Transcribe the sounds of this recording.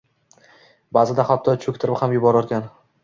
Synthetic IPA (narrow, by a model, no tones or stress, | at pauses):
baːzɪd̪aχat̪ʰːɒt͡ʃʰɵkʲt̪ʰɪɾɪphamjʊbɒɾɒɾkʲan